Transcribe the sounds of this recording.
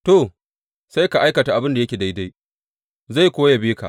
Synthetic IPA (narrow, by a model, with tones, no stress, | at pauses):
to˨ | sa˦jka˨ʔa˦jkɐ˨ta˨ʔa˨bɪ˦nda˨jɐ˦kʲeː˨da˦jda˦j | za˦˨jkʷoː˦ja˨biː˦ka̰˨ʔ